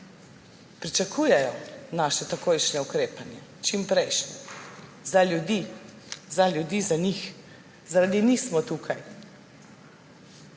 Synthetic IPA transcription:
pɾit͡ʃakʰujɛjɔnaːʃɛt̪akojʃnɛukɾeːpanjɛt͡ʃimpɾɛjʃnɛzalʲjud̪i | zalʲjud̪izanix | zaɾad̪inixsmɔt̪uːkʰaj

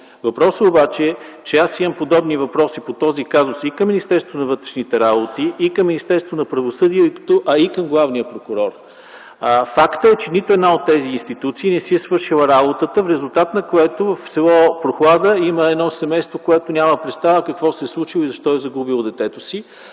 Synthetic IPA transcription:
vɐpɾɔsəobat͡ʃɛt͡ʃɛasimɐmpod̪ɔbnivɐpɾɔsipot̪ɔzikazʊsikɐmːinist̪ɛɾst̪vonɐvɤt̪ɾɛʃnit̪ɛɾabot̪iːkɐmːinist̪ɛɾst̪vonɐpɾɐvosɤd̪iɛt̪oʔɐikɐmɡlˠavnijəpɾokʊɾɔɾ | fakt̪əɛt͡ʃɛnit̪oɛd̪naot̪ːɛziːnst̪it̪ut̪siːnɛsiɛsvɤɾʃilˠəɾabot̪ət̪əfɾɛzulˠt̪at̪nɐkoɛt̪ovɐfsɛlˠɔpɾoxlˠad̪əiməɛd̪nɔsɛmɛjst̪vokoɛt̪onʲaməpɾɛt̪st̪avəkəkvɔsɛslˠut͡ʃilˠoizɐʃt̪ɔɛzɐɡubilˠd̪ɛt̪ɛt̪osi

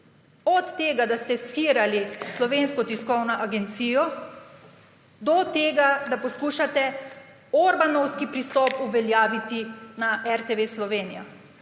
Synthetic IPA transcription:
ɔt̪ːeːɡad̪ast̪ɛsxiːɾalislɔʋeːnskɔt̪iskɔwnɔʔaɡɛnt̪siːjɔ | d̪ɔt̪eːɡad̪apɔskuːʃat̪ɛ | ɔɾbanɔwskipɾist̪ɔːpuʋɛljaːʋit̪inaʔɛɾt̪eʋeslɔʋeːnija̰

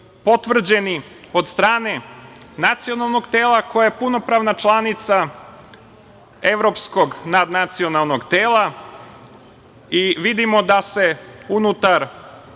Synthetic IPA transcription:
po̞t̪ʋr̩d͡ʑe̞ni | o̞d̪st̪ɾaːne̞ | nat̪sijo̞nalˠno̞ɡt̪e̞ːlˠako̞jajepuno̞pɾaːʋnat͡ʃlˠanit̪sa | e̞ʋɾo̞psko̞ɡnad̪nat̪sio̞nalˠno̞ɡt̪eːlˠa | iʋid̪imo̞d̪ase̞unut̪aɾ

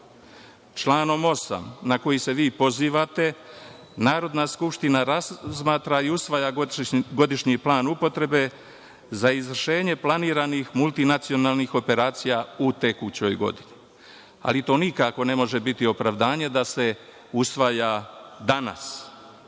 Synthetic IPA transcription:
t͡ʃlaːno̞mo̞sa̰mnako̞jise̞ʋiːpo̞ziːʋat̪e̞ | naːɾo̞d̪naskupʃt̪inaɾazmaːt̪ɾaiusʋajaɡo̞d̪iʃɲiplˠaːnupo̞t̪ɾe̞be̞ | zaizʋr̩ʃe̞ːɲe̞plˠaniːɾanixmulˠt̪inat̪sijo̞naːlˠnixo̞pe̞ɾaːt̪sijaut̪e̞kut͡ɕo̞jɡo̞̰d̪ini | a̰lit̪o̞ːnikako̞ne̞mo̞ʒe̞bit̪io̞pɾaʋd̪aːɲe̞d̪ase̞ | usʋaːjad̪ana̰s

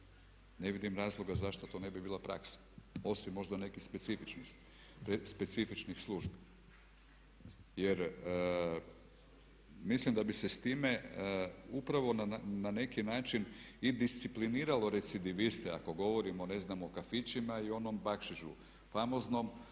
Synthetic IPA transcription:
ne̞ʋid̪imɾaːzlˠo̞ɡazaʃt̪o̞t̪o̞ːne̞bibiːlˠapɾa̰ksḁo̞simːo̞ʒd̪ane̞kixspet̪sifit͡ʃni | spe̞t̪sifit͡ʃnixslˠuʒbi | je̞ɾ | mislimd̪abise̞st̪iːme̞ | upɾaʋo̞naːane̞kinaːt͡ʃinid̪ist̪sipliniːɾalo̞ɾe̞t̪sid̪iʋist̪ea̰ko̞ɡo̞ʋo̞ɾimo̞ne̞znamokafit͡ʃimaio̞no̞mbakʃiʒṵ | famo̞zno̞m

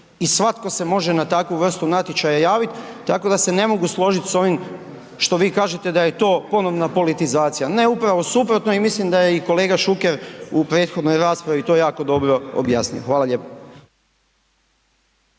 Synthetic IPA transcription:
isʋat̪ko̞se̞mo̞ʒe̞nat̪akʋuʋr̩st̪unat̪jet͡ʃajajaːʋit̪ | t̪ako̞d̪ase̞ne̞mo̞ɡuslˠo̞ʒit̪so̞ʋim | ʃt̪o̞ʋiːkaːʒet̪e̞d̪aje̞t̪o̞ːpo̞no̞ʋnapo̞lit̪izaːt̪sijane̞upɾaʋo̞supɾo̞t̪noimislimd̪ajeiko̞le̞ːɡaʃuke̞ɾupɾe̞ːt̪xo̞d̪no̞jɾaːspɾaʋit̪o̞ːjaːko̞d̪o̞bɾo̞o̰bja̰ːsnḭjoxʋaːlaʎe̞po̥

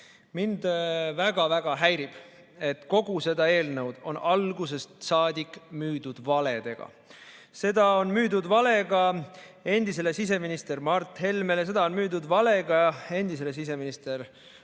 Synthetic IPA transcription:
mind̪væɡ̥ɑvæɡ̥ɑɦæjɾib̥ | e̞t̪ko̞ɡ̥use̞d̪ɑe̞ːlnəwd̪̥o̞̰nɑlɡuse̞st̪sɑːd̪ikːˑmyːd̪̥ud̪̥vɑle̞d̪̥e̞ɡ̥ɑ̰ | se̞d̪̥ɑo̞nmyːd̪ud̪vɑle̞ɡɑ | e̞nʲd̪̥is̬e̞le̞sis̬e̞minist̪e̞rmɑrt̪ːˑhe̞lme̞lese̞d̪ɑo̞nmyːd̪ud̪vɑle̞ɡɑe̞nd̪is̬e̞les̬is̬e̞minist̪e̞ɾ

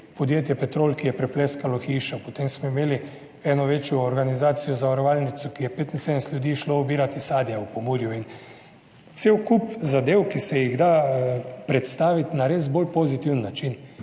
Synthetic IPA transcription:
pod̪jeːt̪jɛpɛt̪ɾoːlkijɛpɾɛpleskalɔxiːʃɔpɔt̪emsmɔimeːli | ɛːnɔʋeːt͡ʃjɔːɾɡanizaːt̪sijɔzaʋaɾoʋalnit̪sɔkijɛpeːt̪insed̪ənɛst̪ljud̪iːʃloɔbiːɾat̪isaːd̪jaupomuːɾjuin | t̪sewkupzad̪eːwkisɛjiɣd̪a | pɾɛt̪st̪aːʋit̪naɾezbolpozit̪iwnːat͡ʃin

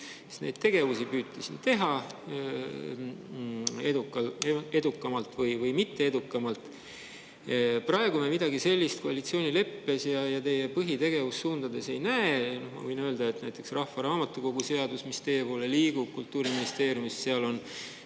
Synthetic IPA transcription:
se̥st̪nejd̪̥̚t̪e̞ɡ̥e̞vusipyːt̪ˑːɑsint̪e̞ɦɑ | e̞d̪ukːˑɑle̞d̪ukˑːɑmɑlt̪ˑvɤjvɤjmit̪ːe̞ed̪̥ukːˑɑmɑlt̪ˑ | prɑe̞ɡ̥umemid̪̥ɑɡise̞lʲːist̪̚koɑlit̪sio̞ːnʲile̞pːe̞sjɑjɑt̪e̞jepɤɦit̪e̞ɡ̥e̞vusːuːnd̪̥ɑd̪e̞se̞jnæenohmɑ̰vɤjnøːld̪̥ɑe̞t̪næjt̪ːˑeksrɑhːɑɾɑːmɑt̪ːˑuko̞ɡuse̞ɑd̪usmist̪e̞jepoːleliːɡ̥u̥kult̪ːˑuːɾiminist̪e̞ːɾjumisseɑlo̞n

